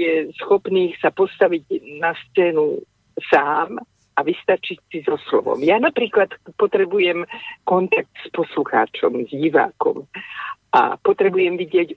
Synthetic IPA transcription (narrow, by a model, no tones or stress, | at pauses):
jɛsxɔpniːxsapɔst̪aʋiɟnast͡sɛːnu | saːm | ʔaʋist̪at͡ʃicsizɔslɔ̰ʋɔ̰mjanapɾiːklat̪pɔt̪ɾɛbujɛmkɔnt̪ak̚t̪spɔsluxa̰ːt͡ʃɔ̰mzɟiʋa̰ːkɔ̰mʔa̰pɔt̪ɾɛbujɛmʋiɟɪɛɟ